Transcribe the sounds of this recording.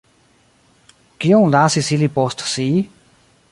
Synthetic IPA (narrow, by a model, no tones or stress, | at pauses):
kiõŋlaːsisilipost̪si